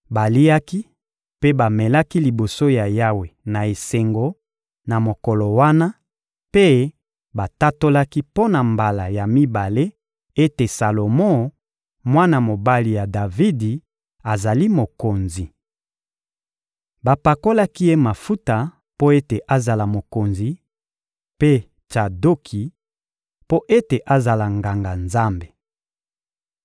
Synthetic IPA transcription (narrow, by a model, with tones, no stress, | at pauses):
ba˨li˦a˦ki˦ | pe˦ba˨mɛ˨la˦ki˦li˨bo˨so˦ja˨ja˦we˨na˨e˨se˨ŋɡo˦ | na˨mo˨kɔ˨lo˨wa˦na˦ | pe˦ | ba˨ta˦to˦la˦ki˦po˦na˨mba˨la˨ja˨mi˦ba˨le˦ | e˦te˨sa˨lo˨mɔ˦ | mwa˦na˨mo˨ba˦li˨ja˨da˨vi˦di˨ | a˨za˨li˦mo˨ko˨nzi˨ | ba˨pa˨ko˦la˦ki˦je˦ma˨fu˦ta˨ | po˦e˦te˨ʔa˨za˨la˨mo˨ko˨nzi˨ | pe˦ | t͡ʃa˨do˦kʰi˨ | po˦ʔe˦te˨ʔa˨za˨la˨ŋɡa˨ŋɡa˨nza˦mbe˨